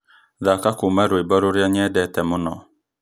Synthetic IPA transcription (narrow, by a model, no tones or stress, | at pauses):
ðakakʊmaɾwebɔɾʊɾjaɲɛdɛtɛmʊnɔ